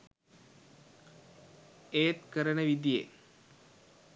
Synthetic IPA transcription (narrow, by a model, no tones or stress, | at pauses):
eːt̪kəɾənəʋid̪ijḛ